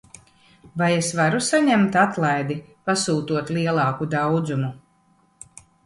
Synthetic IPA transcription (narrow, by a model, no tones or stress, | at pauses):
vajesvaɾusaɲɛmt̪at̪lˠajd̪i | pasuːt̪uɔt̪liɛlˠɑːkud̪awd̪zumu